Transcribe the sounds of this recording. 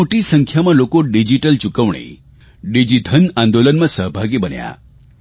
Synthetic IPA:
oʈisəŋkʰjamãlokoɖid͡ʒiʈəlt͡ʃukəʋɳḛ | ɖid͡ʒid̪ʱənãnd̪olənmãsəɦbʱaɡibənja̰

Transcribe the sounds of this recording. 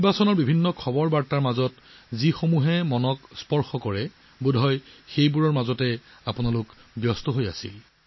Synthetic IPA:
nibasɔnɔɹbibʱinːɔkʰɔbɔɹbaɹtaɹmazɔtzixomuɦɛmɔnɔkspɔɹxɔkɔɹɛ | budʱɔjxejbuɹɔɹmazɔtɛapʊnalʊkbjɔstɔɦoja̰sḭl

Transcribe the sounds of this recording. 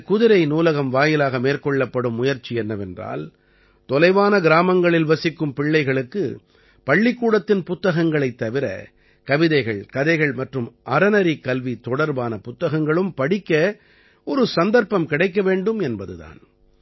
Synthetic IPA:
kʊðɪɾɐɪnuːlɐɣɐmʋaːjɪlaːɣɐmeːɾkɔɭːɐpːɐɽɯmːʊjɐɾt͡ʃːiɛnːɐʋɛndra̰ːl | t̪ɔlɐɪʋaːnɐɡɪɾaːmɐŋɡɐɭɪlʋɐsɪkːɯmpɪɭːɐɪɣɐɭɯkːɯ̰ | pɐɭːɪkːuːɽɐt̪ːɪnpʊt̪ːɐɣɐŋɡɐɭɐɪt̪ːɐʋɪɾɐ̰ | kɐʋɪðɐɪɣɐɭkɐðɐɪɣɐɭmɐʈrɯmʔɐɾɐnɐɾikɐlʋit̪ɔɽɐɾbaːnɐpʊt̪ːɐɣɐŋɡɐɭɯmpɐɽɪkːɐ | ɔɾɯsɐnd̪ɐɾpɐmkɪɽɐɪkːɐʋeːɳɖɯmɛnbɐðɯ̰ða̰ːn

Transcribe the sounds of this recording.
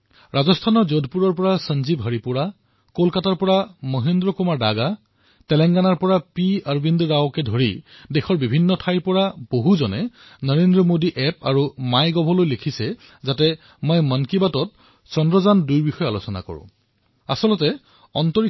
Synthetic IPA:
ɹazɔstʰanɔɹzodʱpuɹɔɹpɔɹasənzibɦəɹipuɹa | kolkataɹpɔɹamɔɦendɹɔkumaɹdaɡa | tɛlɛŋɡanaɹpɔɹapiaɹubindɹawkɛdʱoɹidexɔɹbibʱinːɔtʰajɹpɔɹab̥oɦuzɔnɛnɔɹendɹɔmodiʔɛpaɹumajɡɔbʱɔlojlekʰisɛ | zatɛ | majmənkibatɔt̚ | sɔndɹɔzandujɹbixɔjalosɔna̰kɔ̰ɹʊ̰̃ | a̰sɔlɔtɛ | ɔntɔɹi

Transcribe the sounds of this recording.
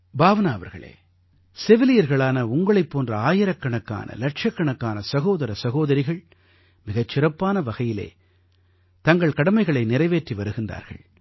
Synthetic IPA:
baːʋɐnaːɐʋɐ̰ɾɣɐ̰ɭḛː | sɛʋɪlɪjɐɾɣɐɭaːnɐʊŋɡɐɭɐɪpːoːndrɐaːjɪɾɐkːɐɳɐkːa̰ːnʔɐ̰lɐʈʂɐkːɐɳɐkːaːnɐsɐɣoːðɐɾɐsɐɣoːðɐɾɪɣɐɭ | mɪɣɐt͡ʃːɪrɐpːaːnɐʋɐɣɐjɪlḛː | t̪ɐŋɡɐɭkɐɽɐmɐɪɣɐɭɐɪnɪrɐɪʋeːʈriʋɐɾɯɣɪndra̰ːɾɣɐ̰ɭ

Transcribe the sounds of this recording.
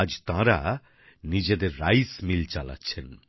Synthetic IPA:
d͡ʑt̪ãɾa | nid͡ʑed̪eɾːajsmilt͡ɕala̰tːɕʰen

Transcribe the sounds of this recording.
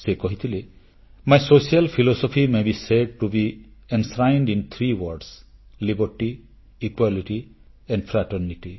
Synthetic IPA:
sekɔɦit̪ʰile | majsosialpʰilɔsɔpʰimebiseɖ̚ʈubiɛnsɾajnɖint̪ʰɾiwɔɾɖslibɔɾʈiː | kwaliʈi | ɛ̃ɳɖpʰɾaʈɔɾniʈi

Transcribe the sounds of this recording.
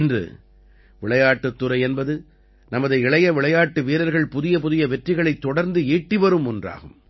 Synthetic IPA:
ndrɯ̰ | ʋɪɭɐjaːʈːɯt̪ːɯɾɐɪɛnbɐðɯ | nɐmɐðɐɪɪɭɐjɐʋɪɭɐjaːʈːɯʋiːɾɐɾɣɐɭpʊðɪjɐp̬ʊðɪjɐʋɛtrɪɣɐɭɐɪt̪ːɔɽɐɾnd̪ɯeːʈːɪʋɐɾɯmʊndra̰ːɣɯm

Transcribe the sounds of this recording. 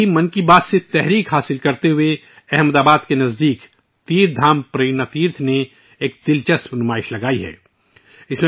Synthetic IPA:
imɐnkibaːd̪set̪ɛɦɾiːkɦaːsɪlkɐɾt̪eɦʊe | ɛɦmd̪aːbaːd̪kenɐzd̪iːk | t̪iːɾ̚d̪ʱaːmpɾeːnat̪iːɾt̪ʰne | eːk̚d̪̥ɪlt͡ʃɐsmnʊmaːɪʃlɐɡaːiɦɛ̰ː | ɪsme

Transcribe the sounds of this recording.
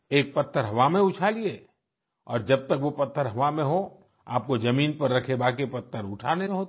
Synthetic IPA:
eːk̚pɐt̪ʰːəɾɦɐʋamẽʊt͡ʃʰaːlie | ɔ̰ːɾd͡ʒɐb̚t̪əkʋopɐt̪ʰːəɾɦɐʋamẽɦo | a̰ːp̚kod͡ʒɐmiːnpɐɾːɐkʰebaːk̬epɐt̪ʰːəɾʊʈʰaːneɦo

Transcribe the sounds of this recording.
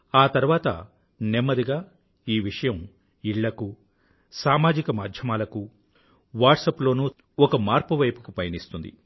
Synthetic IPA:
aːt̪ɐɾuʋaːt̪ɐ̰ | nemːɐd̪iɡaː | iːʋiʂɐjɐm | iɭːɐku | saːmaːd͡ʒikɐmaːd̪ʱjɐmaːlɐku | ʋaːʈsɐplo̞ːnuː | ɔkɐmaːɾpuʋɐjpukupɐjɐnist̪und̪ḭ

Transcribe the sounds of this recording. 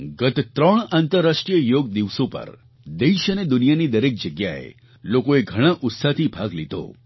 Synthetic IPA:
ɡət̪t̪ɾəɳant̪əɾːasʈɾijəjoɡ̚d̪iʋsopə̰ɾ | d̪eʃəned̪ʊnijanid̪əɾek̚d͡ʒəɡjaḛ | lokoeɡʱəɽ̃aʔʊt̪sat̪ʰibʱaɡlit̪o̰

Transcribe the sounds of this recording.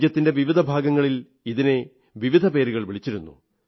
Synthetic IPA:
jɐt̪ːinde̞ʋiʋid̪ʱɐbʱaːɡɐŋːɐɭil | iðine̞ | ʋiʋid̪ʱɐpe̞ːɾuɣɐɭʋiɭit͡ɕːiɾunːṵ

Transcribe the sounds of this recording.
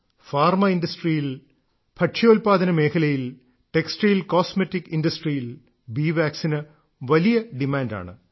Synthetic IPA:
faːrmɐindɐsʈrijil | bʰʱɐʈʂɐjoːlpaːd̪ɐnɐme̞ːkʰɐlɐjil | ʈeksʈejlkoːsmetːikːinɖɐsʈrijil | biːʋaːksinɐ | ʋɐlijɐɖimaːnda̰ːɳɨ̰

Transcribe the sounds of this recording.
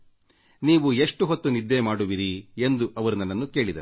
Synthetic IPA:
niːʋue̞ʂʈuɦot̪ːunid̪ːemaːɽuʋiɾiend̪uʔɐʋɐɾunɐnːɐnːuke̞ːɭid̪ɐɾ

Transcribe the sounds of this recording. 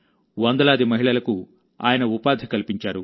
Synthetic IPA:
ʋɐnd̪ɐlaːd̪imɐɦiɭɐlɐku | a̰ːjɐnɐupaːd̪ʱikɐlipiɲt͡ʃaːɾu

